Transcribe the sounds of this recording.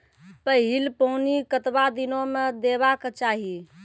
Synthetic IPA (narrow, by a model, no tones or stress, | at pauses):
pəɦilpəunikət̪bad̪inomed̪eβaket͡ʃaɦi